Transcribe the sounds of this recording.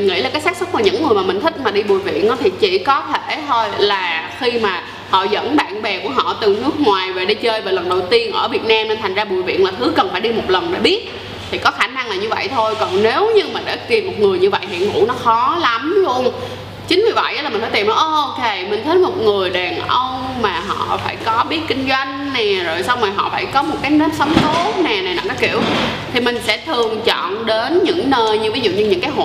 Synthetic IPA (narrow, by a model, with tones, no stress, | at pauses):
nŋḭ˧˥la˨˩kaː˨˦jsaː˦˥k̚sɨ˦˥k̚vaː˨˩ɲɨ̰˧˥ŋːɨ˨˩əmː˨˩ï˨˩ŋ̟t̪i˦˥k̟̚maː˨˩ɗi˧ɓu˨˩əjvḭ˧˨ənʔɔ˨˦t̪ʰi˨˩t͡ɕḭ˧˩kɔ˨˦t̪ʰe˧˩˨t̪ʰo˧jlaː˨˩xi˧maː˨˩ | hɔ̰˧˨zə̰˧˥nɓa̰ː˧˨nɓɛ˨˩ku˧˩əɦɔ̰˧˨t̪ɨ˨˩nɨ˦˥ək̚ŋwaː˨˩jve˨˩ɗi˧t͡ɕəː˧jveː˨˩lwə˨˩nɗə˨˩wt̪i˧ənʔəː˧˩vi˨˩ət̚naː˧mne˧nt̪ʰa˨˩jŋzaː˧ɓu˨˩əjvḭ˧˨ənlaː˨˩t̪ʰɨ˨˦kə˨˩nfaː˧˩jɗi˧mo˨˩t̚lə˨˩nɗḛ˧˩ɓi˦˥ət̚ | t̪ʰi˨˩kɔ˨˦xaː˧˩na˧ŋlaː˨˩ɲɨ˧və̰˧˨jt̪ʰo˧jkɔ˨˩nne˨˦wɲɨ˧ŋmï̟˨˩ɗa̰ː˧˥ki˨˩əmo˨˩t̚ŋɨ˨˩əjɲɨ˧və̰˧˨jɦḭ˧˨ənŋṵ˧˥nɔ˨˦xɔ˨˦la˨˦mlu˧ən | t͡ɕï˨˦ŋ̟mi˨˩və̰˧˨jʔə˧˦laː˨˩ï̟˩fːt̪i˨˩mlɔ˨˦ʔʔo˧ke˨˩mï˨˩ŋ̟t̪ʰə˨˦jmo˨˩t̚ŋɨ˨˩əjɗaː˨˩nʔə˧wŋ͡m | maː˨˩ɦɔ̰˧˨faː˧˩jkɔ˨˦ɓi˦˥ət̚kï˧ŋ̟zwa˧jŋ̟nɛ˨˩zo˨˩jsa˧wŋ͡mmaː˨˩ɦɔ̰˧˨faː˧˩jkɔ˨˦m˨˩t̚kaː˨˦jnə˨˦˥nsa˨˦wŋ͡mso˨˦nɛ˨˩na˨˩na̰˨˩nɔ˨˦kḭ˧˨əwt̪ʰi˨˩mï˨˩ŋ̟sɛ̰˧˥t̪ʰɨ˨˩əŋt͡ɕɔ̰˧˨nɗe˨˦nɲɨ̰˧˥ŋnəː˧jɲɨ˧vi˨˦zṵ˧˨ɲɨ˧ɲɨ̰˧˥ŋkaː˨˦jɦo̰˧˨